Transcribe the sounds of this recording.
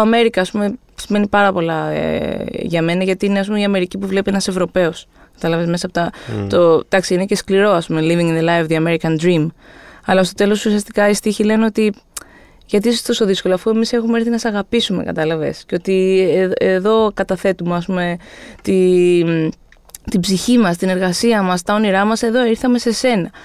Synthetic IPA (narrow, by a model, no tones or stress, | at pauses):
ɐmeɾikɐːspume̞ | sime̞nipɐɾɐpo̞lɐ̰ | ʝɐme̞nɐʝɐt̪iineɐsp̬umiɐme̞ɾicipuvle̞pienɐse̞vɾo̞pe̞o̞s | kɐt̪ɐlɐve̞zme̞sɐpot̪ɐt̪ot̪ɐksiinece̞skliɾo̞ɐspume̞liviŋinðelajfðiɐme̞ɾikɐnd̪ɾimɐlɐst̪o̞t̪e̞lo̞susiɐst̪i̥kɐist̪içile̞neo̞t̪i | ʝɐt̪isost̪o̞so̞ðisko̞loɐfue̞mise̞xumeɾθinɐsɐɣɐpisume̞̰kɐ̰t̪ɐlɐve̞̰sceo̞t̪ieðo̞kɐt̪ɐθe̞t̪umeɐspume̞t̪im | t̪ibziçimɐst̪ine̞ɾɣɐsiɐmɐst̪ɐo̞niɾɐmɐse̞ðo̞iɾθɐme̞se̞se̞nɐ